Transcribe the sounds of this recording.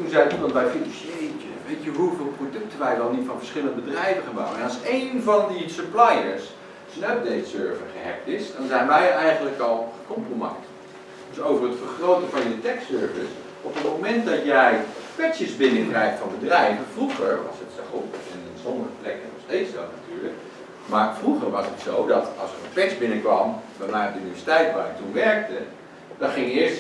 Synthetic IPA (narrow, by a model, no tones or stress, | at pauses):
tunzɛjudɑnbɛjfinɑnʃjejtəʋejtjəɦuvɪːlˠprodɵk̚təʋɛjʋɛlˠnitfɑnvəɹsχɪlə̃ndəbədrɛjvəχaːnbɑ̰wənɛnɑlˠsejnvɑndisəplajəɹs | sənœp̚dejtsøɹvəχəɦɛ̰k̚tɪsdɑnzɛjnʋɛjɛjχənləkɑlˠχəkɔmproma̰jt | d̥øsowvərɦətfəɹχrowtəvɑnjətɛksøɹvəs | ɔpətmomɛnt̚dɔtjɛjkʋɛksjəzbɪnəkrɛjktfɔnbədrɛjvənfruχəɹʋɑ̰sətsɛxopɛnɪnsɔndəχəplɛkənɔχsteːtsdɔtnatyːɹlək | maɹfruχəɹʋɑsətsowdɔtɑlˠsərənplɛksbɪnəkʋɑmbɛmaːdəynivɛsi̥tɛjtʋaːrətunʋɛɹk̚tə | d̥ɔnχɪŋjəɪəɹst